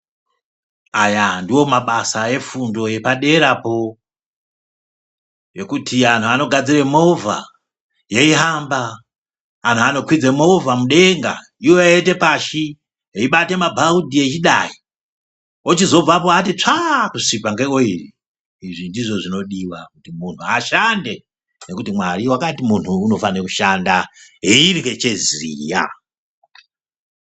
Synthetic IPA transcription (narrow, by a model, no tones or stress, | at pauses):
ajandiwo̞maɓasae̞fundo̞je̞paɗe̞ɾapo̞ | je̞kutʰian̤uano̞ɡʱad͡ziremovʱa̰ | je̞iɦambaː | n̤uano̞kwid͡zemo̞vamuɗe̞ŋɡa̰ | iwo̞ete̞paʃi | ɦeiɓate̞mabʱaudʱiet͡ʃiɗai | ot͡ʃizo̞b͡vapoatit͡ʂakusipaŋɡekoiri | iʐindiʐo̞ʐino̞ɗiwakutimun̤uaʃande̞ | ne̞kutimwaɾiwakatimun̤uːno̞fanekuʃandaɦeiriket͡ʃe̞zḭja̰